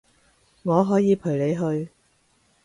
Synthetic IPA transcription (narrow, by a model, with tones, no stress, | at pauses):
ŋɔː˨˧ɦɔː˨˥jiː˨˧pʰɵ˨˩ɥle˨˧jɦɵ˧ɥ